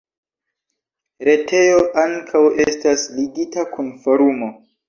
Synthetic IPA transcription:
ɾe̞tʰe̞jo̞ʔaŋkʰawestasliɡitakʰunfoɾumo̞

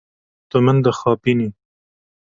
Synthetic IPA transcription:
t̪ʊmənd̪əxɑpini

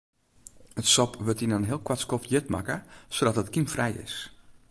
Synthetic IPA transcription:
ətsɔpʋətinənɦɪəlˠkwatskɔfjɪtma̰kəsodɔtətkimfrɛjɪ̰s

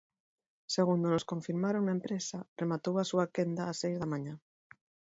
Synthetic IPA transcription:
seɣ̞und̪onoskoɱfiɾmaɾoŋnaempɾesaremat̪owasuakend̪aːsejzðɐmãɲa

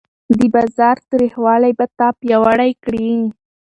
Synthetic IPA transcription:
d̪əbɑzɑɾt̪ɾihwɑlajbat̪ɑpjawaɽajkɽi

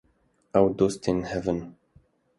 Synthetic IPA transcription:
awd̪ost̪ɪ̃nhɛvə̃n

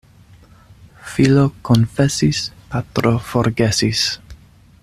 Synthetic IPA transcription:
filokonfesispat̪ɾofoɾɡesis

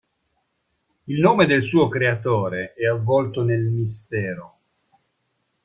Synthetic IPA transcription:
ilnoːmed̪elsuːokɾeat̪oːɾeɛavːɔlt̪onelmist̪ɛːɾo

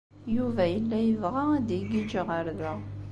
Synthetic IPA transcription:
juvæjəlːæjəvʁaæd̪iɡid͡ʒəʁəɾðæ

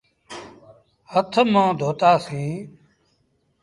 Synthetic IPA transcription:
hət̪ʰmãːd̪ʱoːt̪aːsĩː

